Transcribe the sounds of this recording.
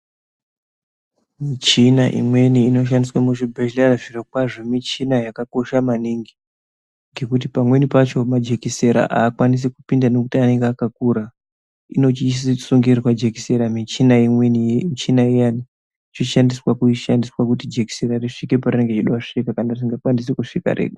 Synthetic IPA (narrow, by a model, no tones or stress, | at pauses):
mit͡ʃinaʔḭmwe̞niːno̞ʃ̬andiswamuʐibʱailaraʐirakwaʐo̞mit͡ʃinajakako̞ʃamaniŋɡi | ŋɡe̞kut̬ipamwe̞nipat͡ʃo̞mad͡ʒekiseɾa̰ʔaːkwanis̬ikupindano̞kutiane̞ŋɡeakakuɾa | ḭno̞t͡ʃissuŋɡirwad͡ʒekiseɾamit͡ʃinaimwenimit͡ʃinaejani | t͡ʃoʃandiswakuʃandiswakutid͡ʒe̞ki̥seɾariʂikeparine̞ŋɡe̞t͡ʃiɗawaʂikakanaris̬iŋɡakwandis̬ekuʂika̰rḛɡo